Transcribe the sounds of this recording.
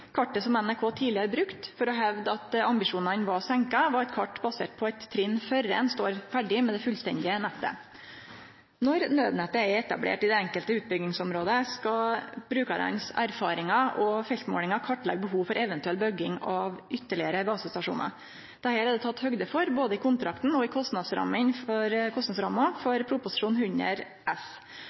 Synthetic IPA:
kʰɑʈːəsɔmɛnækʰoːt̪ʰiːlɪəɾbɾʉkt̪fɔɾɔɦɛʋd̪ɑt̪ɑmbɪʂuːnɑnʋɑsɛŋkɑʋɑɾɛt̪kʰɑʈːbɑsḛːʈ̚pʰɔɛt̪ʰːɾɪnːfœɾɛ̰nst̪oːɾfæɖɪmɛd̪ɛfʉlst̪ɛ̰nd̪ɪənɛt̪ːə̰ | nɔɾnøːd̪nɛt̪ːəɛɛt̪ɑ̰blḛːʈɪd̪ɛɛŋkəlt̪əʉːt̪̚bʏɡɪŋsɔmɾoːd̪əskɑbɾʉːkɑɾɑ̰nsæ̰ɾfɑːɾɪŋɑɔfɛlt̪mo̰ːlɪŋɑkʰɑʈːlɛ̰ɡ̚bəɦuːʋfɔɾʔɛʋənt̪ʉɛlbœɡɪŋɑʋʔʏt̪ːəɭɪəɾəɡɑːsəst̪ɑʂṵːnɑ̰ɾ | d̪̥ɛhæːɾɛd̪ɛt̪ʰɑt̪ːhœɡd̪əfɔɾboːd̪əɪkʰʊnt̪ɾɑkt̪n̩ɔɪkʰɔst̪nɑd̪sɾɑ̰mːəɪnfɔɾkʰɔst̪nɑd̪sɾɑmɑfɔɾpʰɾʊpʊsɪ̥ʂuːnhʉɲə̰ɾ | ʔɛs

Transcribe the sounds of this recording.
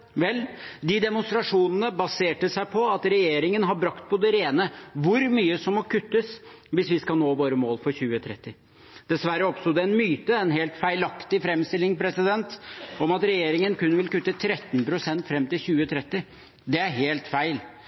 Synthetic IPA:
ʋɛlːd̪ɪd̪ɛmʊnst̪ɾɑʂuːnənəbɑseːʈəsæɪpʰɔɑt̪ɾɛjeːɾɪŋənɦɑbɾɑkt̪̚pʰɔd̪ɛɾeːnəʋʊɾmyːəsɔmːɔkʰʉt̪ːəs | ʋɪsʋɪskɑlnoːʋoːɾəmoːlfɔɾçʉːət̪ʰɾɛt̪ːɪ | d̪̥ɛsʋæɾəɔpst̪ʊd̪əɛnmyːt̪əɛnɦeːlt̪fæɪlɑkt̪ɪfɾɛmst̪ɪlːɪŋpʰɾɛsɪd̪ɛnt̪ɔmɑt̪ɾɛjeːɾɪŋənkʉnːəʋɪlkʉt̪ːət̪ʰɾɛt̪ːnpɾʊsɛnt̪fɾɛmt̪ɪlçʉːət̪ʰɾɛt̪ːɪ | d̪ɛæɾɦeːlt̪fæɪl

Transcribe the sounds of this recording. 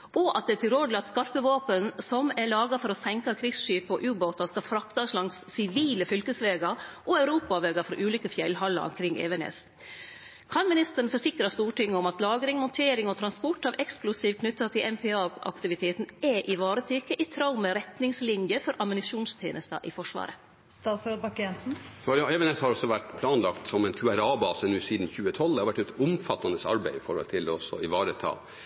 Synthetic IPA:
ɔʔɑt̪̚d̪ɛt̪ɪloːd̪əlɑt̪skɑɾpəʋoːpənsɔmæɭɑːɡɑfɔɾɔsɛŋkɑkʰɾɪsʂyːpɔ̰ʔʉːboːt̪ɑskɑfɾɑkt̪ɑslɑŋsːɪʋiːləfʏlkəsʋeːɡɑʔɔœʉɾuːpɑʋeːɡɑfɾɔ̰ʔʉːliːkəfjɛlɦɑlːɑ̰ɔ̰mkʰɾɪŋːʔḛːʋɛnɛ̰s | kʰɑnmɪnɪst̪əɾəɳ̩n̩fɔʂɪkɾɑst̪uːʈɪŋːəʊmɑt̪lɑːɡɾɪŋmʊnt̪ʰeːɾɪŋɔt̪ʰɾɑnspɔʈːɑʋɛksklʊsiːʋkʰnʉt̪ːɑt̪ʰɪlʔɛmpʰɛɑːɑ̰kt̪ɪʋɪt̪ʰeːt̪n̩ɛʔɪʋɑːɾət̪ʰykːəʔɪt̪ʰɾɑʊməɾɛt̪nɪŋslɪnjəfɔɾʔɑmʊnɪʂuːnst̪ʰeːnʔəst̪ɑ̰ʔɪfɔʂʋɑ̰ːɾə | st̪ɑsoːd̪bɑkɛnsn̩sjɑɛʋɛnɛshɑɾɔsɔʋæʈːpʰlɑːnlɑkt̪sɔmɛnkʰʉæɾɑːbɑːsənʉːsiːd̪n̩çʉːət̪ʰɔlːɑɾʋæʈːɛt̪ʊmfɑt̪ːɑnd̪əsɑ̰ɾbæɪɪfɔɾhɔ̰lt̪ʰɪlɔɔsɔ̰ɪʋɑːɾət̪ʰɑ̰ː

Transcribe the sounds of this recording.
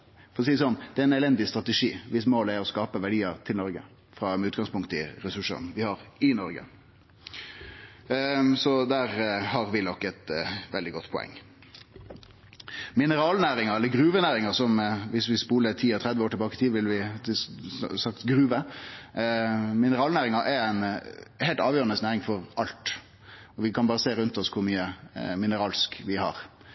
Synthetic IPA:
fɔɾɔsiːəsɔnːd̪̥ɛæɾɪnɛlɛnd̪ɪst̪ɾʁɑt̪ɛʂiːʋɪsmoːləæɾɔskɑːpəʋæɖiːəɾt̪ʰɪlnɔɾɡə̰ | fɾɑmɛʉːt̪ɡɑŋspʰʊŋkt̪əɪ̰ɾɛsʉʂːə̰nʋɪhɑɾɪnɔɾɡə̰ | sɔd̪æːɾhɑɾʋɪnɔkːɛt̪ʋɛld̪ɪɡɔt̪ːpʰɔɛ̰ŋː | mɪnəɾɑːlnæːɾɪŋɑɛlːəɡɾʉːʋənæːɾɪŋɑsɔmʋɪsʋɪspuːlət̪ʰiːɛt̪ʰɾɛd̪ʋəoːʈʰɪbɑːkət̪ʰiːʋɪlʋɪ | sɑkt̪ɡɾʉːʋə | mɪnəɾɑːlnæːɾɪŋɑʔɛæɪnhɛɪlt̪ɑːʋjøːɾənəsnæːɾɪŋfɔɾɑlt̪ | ɔʋɪkʰɑnbɑːɾəseːɾʉnt̪ɔskʰʊɾmyːəmɪnəɾɑːlskʋɪhɑ̰ɾ

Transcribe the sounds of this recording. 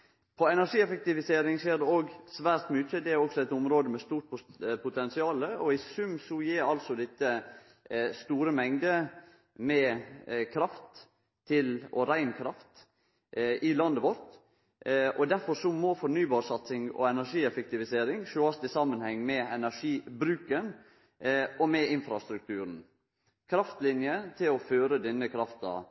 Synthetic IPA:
pʰɔɛnæʂiːɛfɛk̚t̪ɪʋɪseːɾɪŋʃeːɖ̪ɛoːɡsʋæːɾt̪myt͡ʃːəd̪ɛæɾɔɡsɔɛɪt̪ʊmɾoːd̪əmɛst̪uːɾʈ̪̚ppʰʊt̪ʰɛnsɪɑːləɔɪsʉmsɔjiːɾɑlsɔd̪ɪt̪ːə | st̪uːɾəmɛŋd̪ə | mɛkʰɾɑft̪ʰː | ɪlɔɾæɪnkʰɾɑft̪ | ʔɪlɑnd̪əʋɔɾt̪ | ʔɔd̪æɾfɔʂɔmɔfɔɾnyːbɑːɾʂɑt̪sɪŋɔ̰ɛnæʂiːɛfɛk̚t̪ɪʋɪseːɾɪŋʃoɑst̪ɪsɑmənhɛŋːmɛɛnæʂiːbɾʉːkən | ʔɔmɛɪnfɾɑst̪ɾʉk̚t̪ʰʉːɾn̩ | kʰɾɑft̪lɪnjət̪ʰɪlɔføːɾəd̪ɛnːəkʰɾɑft̪ɑ̰

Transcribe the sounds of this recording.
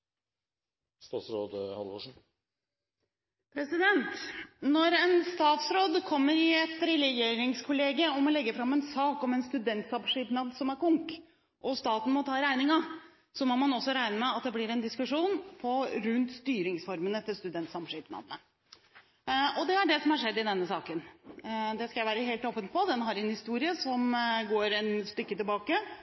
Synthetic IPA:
st̪ɑːt̪sɾoːd̪hɑ̰lʋo̰ːʂɳ̩ | pʰɾɛsɪd̪ɛnt̪nɔɾɛnst̪ɑːt̪sɾoːd̪kʰɔmːəɾɪɛt̪ɾɛlɛjeːɾɪŋskʰʊleːɡəɔmɔlɛɡːəfɾɑmːɛnsɑːkɔmɛnst̪ʉd̪ɛnt̪sɑmʂɪpnɑd̪sɔmæɾkʊŋk | ʔɔst̪ɑːt̪n̩mɔt̪ʰɑːɾæɪnɪŋɑ | sɔmɔmɑnɔsːɔɾæɪnəmɛɑt̪̚d̪ɛblɪɾɛnd̪ɪskʉʂuːnpʰɔɾʉnt̪st̪yːɾɪŋsfɔɾmənət̪ʰɔst̪ʉd̪ɛnt̪sɑmʂɪːpnɑ̰d̪ənə | ɔd̪ɛæɖɛsɔmhɑʂɛd̪ːɪd̪ɛnːəsɑːkənd̪ɛskɑjæɪʋæːɾəɦeːlt̪oːpənpʰɔd̪ɛnɦɑɾɪɛnhɪst̪uːɾɪəsɔmɡoːɾɛnst̪ʏkːət̪ɪlbɑːkə

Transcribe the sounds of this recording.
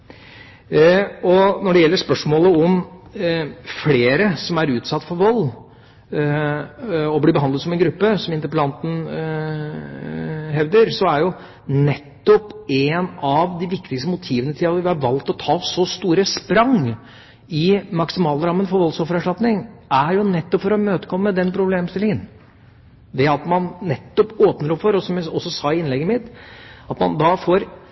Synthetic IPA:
ɔnɔɖɛjɛlːəʂpœʂmoːləɔm | fleːɾəsɔmæɾʉːt̪sɑt̪ːfɔɾʋɔlː | ɔbliːbəhɑnd̪ət̪sɔmɛnɡɾʉpːəsɔmɪnt̪əɾpəlɑnt̪ən̩ | ɦɛʋd̪əɾsɔæɾjʊ | nɛt̪ːɔpeːnɑʋd̪ɪʋɪkt̪ɪkst̪əmʊt̪ʰiːʋənət̪ʰɪlɑt̪ʋɪhɑɾʋɑlt̪ɔt̪ʰɑːsɔst̪uːɾəspɾɑŋ | ɪmɑksɪmɑːlɾɑmːənfɔɾʋɔlsɔfəɾæʂʈɑt̪nɪŋæɾjʊnɛt̪ːɔpfɔɾɔmøːt̪əkʰɔmːəmɛd̪ɛnpʰɾʊbleːmst̪ɪlɪŋən | d̪ɛɑt̪mɑnːɛt̪ːɔpoːpnəɾɔpfɔɾɔsɔmjæɪɔsːɔsɑːɪɪnlɛɡːəmɪt̪ːɑt̪mɑnd̪ɑfoːɾ

